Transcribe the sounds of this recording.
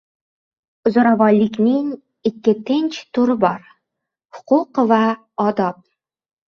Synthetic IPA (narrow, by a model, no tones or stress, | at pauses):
ʊzoɾavɒlɪkʲnɪŋ | ɪkʲːɪt̪ʰɪnt͡ʃt̪ʰʊɾɪbɒɾ | hʊ̥qʊqva | ɒd̪ɒp̚